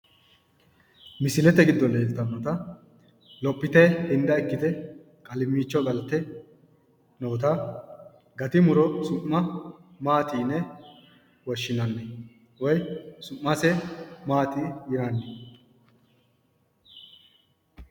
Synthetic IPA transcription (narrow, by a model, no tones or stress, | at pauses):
mɪsɪlɛt̪ɛɡɪd̪ːɔle̞ːlt̪ːɐnːɔt̪ɐ | lɔpʼːɪt̪ɛhɪnd̪ɐɛkːɪt̪ɛ | kʼɐlɪmːiːt͡ʃːɔɡɐlt̪ːɛ | noːt̪ɐ | ɡɐt̪ɪmʊɾɔsʊmːɐmaːt̪iːnːɛ | wɔʃːɪnɐnːɛ | wɔjsʊʔːɐsɛmaːt̪ijɪɾɐnːɛ